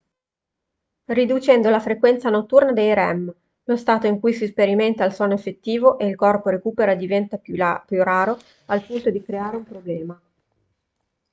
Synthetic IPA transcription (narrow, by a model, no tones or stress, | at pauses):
rid̪ut͡ʃɛnd̪olafɾekwɛnt̪sanot̪ːurnad̪ejɾɛm | lost̪aːt̪oiŋkujsispeɾiment̪ailswɔːnoefːet̪ːiːvoʔeilkɔrpoɾekuːpeɾad̪ivɛnt̪apjuraːɾo | alpunt̪od̪ikɾeaːɾeumpɾoblɛːma